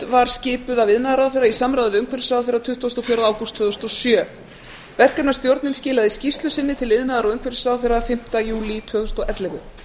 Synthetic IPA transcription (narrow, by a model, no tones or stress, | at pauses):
vaɾ̥scɪːpʏðavɪðnaðaɾawðθɛjɾːaisamɾawðɪʏŋkʰvɛɾɪsraːðθfɛɾat̪ʰʏht̪vast̪ɔfjœɾaðaːwkust̪ʰvœðʏst̪ɔsjœː | vɛr̥kɛnast̪jowɾt̪nɪnscɪːlaðɪscist̪lʏsɪnːɪt̪ʰɪlvɪðnaðaɾaʏŋkvɛɾsrawðθɛɾːafɪm̥t̪ajuːlit̪ʰvœːðʏst̪ɔʔɛt̪lɛvʏ